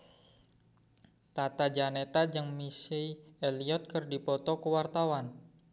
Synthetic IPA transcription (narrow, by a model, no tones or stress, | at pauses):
t̪at̪ad͡ʒanet̪ad͡ʒəŋmisijeliɔt̪̚kərdipɔt̪ɔkəwart̪awan